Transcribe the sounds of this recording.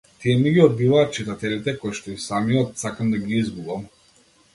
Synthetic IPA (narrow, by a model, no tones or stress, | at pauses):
t̪ijɛmiɡʲiɔd̪̚bivaːt̪̚t͡ʃit̪at̪ɛlit̪ɛkɔjʃt̪ɔisamijɔt̪sakamd̪aɡʲiizbuvam